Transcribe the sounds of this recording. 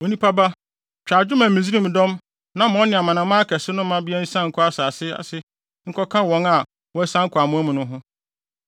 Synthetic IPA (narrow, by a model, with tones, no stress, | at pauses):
o˨nĩ˦pʰa˦ba˦ | t͡ɕᶣaː˨d͡ʑᶣʊ˦mã˨mĩ˨zi˦ɾĩ˦m˨dɔ̃˦m | nã˨˦mɔ̃˦nɪ̃˨a˨mã˨nã˨˦mã˦kʰɛ˨sɪ˦nʊ̃˦ã˦bɪ˦ɛ˦n̩˦sã˦˨ŋ̩˨kʰɔ˦a˦saː˨sɪ˦a̰˨sɪ˦ | ŋ̩˨kʰɔ˦kʰã˦wɔ̃˨˦ŋa˨ | wɔ˨˦æ˦sã˦ŋ̩˦kʰɔ˨a˨mʊ̃˦æ˦mʊ̃˨nʊ̃˦ɦʊ̃˦